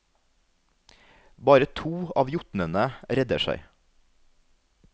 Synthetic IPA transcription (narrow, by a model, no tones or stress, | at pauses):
bɑːɾət̪ʰuːɑːʋjʊt̪nənəɾɛd̪əʃæ̰ɪ